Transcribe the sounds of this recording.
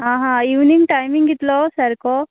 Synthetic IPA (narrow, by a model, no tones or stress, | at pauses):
aːɦaiʋniŋɡʈɐjmiŋɡit̪loːsɐɾikoː